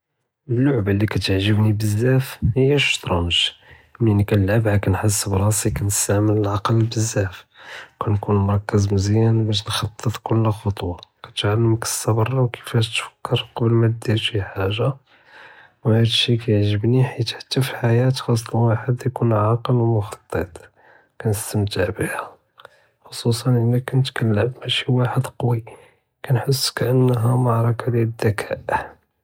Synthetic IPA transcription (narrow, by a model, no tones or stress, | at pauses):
əlːʊʕbəlːikæt̪əʕʒəbnibəzːæfhəjːæʃt̪ɾˤɑməʃ | minikænəlʕabʕakænħasːəbɾˤɑsikænəst̪aʕmələlʕɑqəlbəzːæfkænkunmʊɾˤɑkːəzməzjænbæʃ̬nxɑt̪ˤːət̪ˤkʊlːxɑt̪ˤwɑkæt̪ʕalːəməkə̥sːɑbɑrˤːɑwkʰə̥fæʃt̪fə̥kːəɾqɑbəlmæt̪d̪iɾʃiħaʒːa | whæd̪ʃikæjəʕʒəbniħit̪ħḁt̪ːæfiħajæt̪xɑsˤːlwaħəd̪jkunʕɑqəlwmʊxɑt̪ˤːet̪ˤ | kænəst̪əmt̪əʕbihæ | xosˤus̬ˤɑnʔəlækænət̪kælːəmmæʃiwaħəd̪qwi | kænħəsːkæʔənːɦæmɑʕɾˤɑkɑlid̪ːækʰæʔ